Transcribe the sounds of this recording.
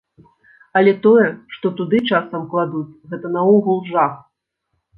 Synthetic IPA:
ɐlʲɛt̪ɔjɛʂt̪ɔt̪ud̪ɨt͡ʂasɐmklˠad̪ut͡sʲɣɛt̪ɐnɐɔɣulˠʐax

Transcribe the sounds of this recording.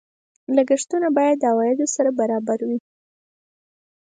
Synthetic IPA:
laɡəʂt̪unabɑjad̪ːəawɑjɪd̪osaɾabaɾɑbaɾwi

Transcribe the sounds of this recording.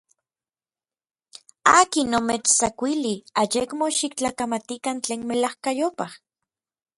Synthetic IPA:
aːkinːomet͡ʃt͡sakʷiliajekmoʃikt͡ɬaːkamat̪ikant͡ɬeːnmelahkajopah

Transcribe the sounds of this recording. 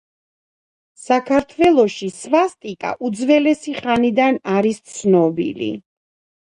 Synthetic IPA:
sakʰaɾt̪ʰvɛlˠɔʃisvast̪ʼikʼa̰ʔud̪zvɛlɛsiχanid̪anaɾist̪sʰnɔbḭlḭ

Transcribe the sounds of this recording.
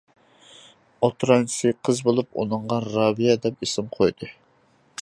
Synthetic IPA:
ot̪ɾɑnʰsɨqʰəzbolˠupṵnɨɴʁɑɾɑːbijɛd̪ɛp̚esɪmqʰojd̪ɨ

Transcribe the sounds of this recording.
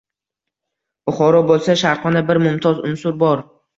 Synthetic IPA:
ʊχɒɾɒbolˠsaʃaɾχɒnabɪɾmʊmt̪ʰɒzʊnsʊɾbɒɾ

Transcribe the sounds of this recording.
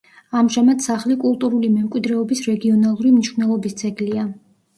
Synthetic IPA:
amʒamad̪saχlikʼulˠt̪ʼuɾulimɛmkʼwid̪ɾɛɔbisɾɛɡiɔnalˠuɾimniʃwnɛlˠɔbist̪sʼɛɡlia

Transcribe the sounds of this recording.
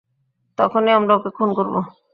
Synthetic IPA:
t̪ɔkʰoneamɾaokekʰunkoɾbo

